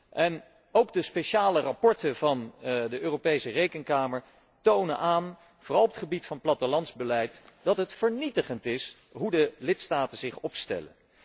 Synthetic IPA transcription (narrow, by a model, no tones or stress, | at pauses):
ʔɛn | owk̚dəspejʃaːlərapɔɹtənvɑndəʔøːrowpejsərejkəŋkaːməɹ | townənʔaːn | v̥oːrɑlˠɔpətχəbitfɑnplɑtəlɑnzbəlɛjtd̥ɑtɦətfəɹnitəχəntɪs | ɦudəlɪtstaːtənzɪχɔpstɛ̰lə̰n